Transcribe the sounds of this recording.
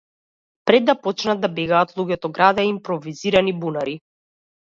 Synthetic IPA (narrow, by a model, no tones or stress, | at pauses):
pɾɛd̪ːapɔt͡ʃnad̪̚d̪abɛɡaːt̪lˠuɡʲɛt̪ɔɡɾad̪aiimpɾɔviziɾanibunaɾi